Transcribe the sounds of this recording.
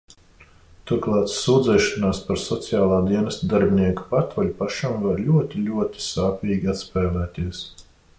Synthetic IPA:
t̪uɾklˠɑːt̪suːd̪zɛːʃɔnaːspaɾsɔt̪sijaːlˠaːd̪iɛnɛst̪d̪aɾbʲinʲiɛku̥paɾt̪vɔlʲupaʃamvaɾlʲuɔt̪ʲilʲuɔt̪ʲi̥saːpʲiːɡʲiat̪spɛːlˠæːt̪ʲiɛs

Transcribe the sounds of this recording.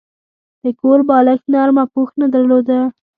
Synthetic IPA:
d̪̥əkoɾbɑləxnɑɾmapuxnad̪aɾlod̪a

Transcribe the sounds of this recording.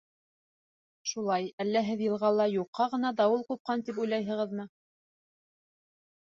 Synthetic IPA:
ʃulˠɑjælːæɦɘðjɤ̆lˠʁɑlˠɑjuqʰːɑʁɤ̆nɑd̪ɑwɤlˠqup̚qɑnt̪ip̬ujlˠɑjɦɤ̆ʁɤ̆ðmɤ

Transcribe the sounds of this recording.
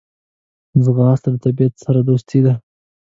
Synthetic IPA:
zɣɑːst̪əɾt̪abijat̪saɾad̪ost̪ʰid̪a

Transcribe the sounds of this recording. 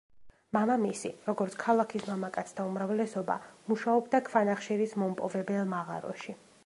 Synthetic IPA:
mamamisiɾɔɡɔɾt̪sʰkʰalˠakʰismamakʼat̪sʰt̪ʰaumɾavlɛsɔba̰muʃaɔbd̪akʰvanaχʃiɾismɔmpʼɔvɛbɛlˠmaʁa̰ɾɔ̰ʃi

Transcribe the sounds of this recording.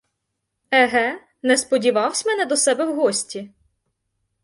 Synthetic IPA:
ɛɦɛ | nɛspɔdʲiʋɑwsʲmɛnɛd̪ɔsɛbɛwɦɔsʲtʲi

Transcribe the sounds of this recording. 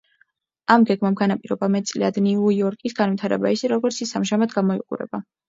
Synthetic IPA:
amɡɛɡmamɡanapʼiɾɔbamɛt̪sʼlḭad̪niujɔɾkʼisɡanvwit̪ʰaɾɛbaisɛɾɔɡɔɾt̪sʰisamʒamad̪ɡamɔḭqʼṵɾɛ̰ba

